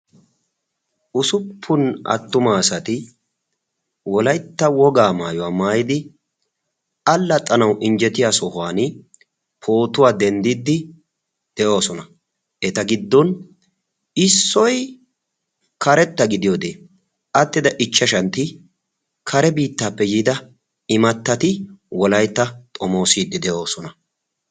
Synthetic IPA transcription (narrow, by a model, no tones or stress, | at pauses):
ʔʊsʊpʰːʊnɐ̰t̪ːʊmaːsɐt̪ɪ | wɔlɐjt̪ːɐwɔɡaːmaːjɔwaːmaːjɪd̪ɪ | ɐlːɐt̪ʼɐnɐwʔɪnd͡ʒɛt̪ɪjaːsɔhʊwaːnɪ | pʰo̞ːt̪ʊwaːd̪ɛnd̪ɪd̪ːɪ | d̪̥ɛʔo̞ːsɔnɐ | ɛt̪ɐɡɪd̪ːɔn | ɪsːɔj | kɐɾɛt̪ːɐɡɪd̪ɪjoːd̪eː | ʔɐt̪ːɪd̪ɐʔɪt͡ʃːɐʃɐnt̪ɪ | kʰɐɾɛbiːt̪ːaːpːɛjiːd̪ɐ | ɪmɐt̪ːɐt̪ɪwɔlɐjt̪ːɐt̪ʼɔmo̞ːsiːd̪ːɪd̪ɛʔo̞ːsɔnɐ